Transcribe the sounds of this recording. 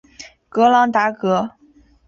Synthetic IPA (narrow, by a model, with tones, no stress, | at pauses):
kɤ˧˥lɑ˧˥ŋt̪a˧˥kɤ˧˥